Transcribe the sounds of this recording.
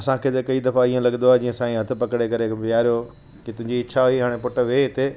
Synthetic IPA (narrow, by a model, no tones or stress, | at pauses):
ɐsãkʰeːt̪ɐkɐid̪ɐfaiːẽlɐɡənd̪oad͡ʑĩːə̃sãːĩɦɐt̪ʰɪ̆pɐkɽekɐɾeʋijaːɾijo | kit̪ʊ̃ɦɪ̃ɲd͡ʑiɪt͡ɕʰaɦʊiɦaːɽ̃epʊʈə̆ʋeɦɪt̪e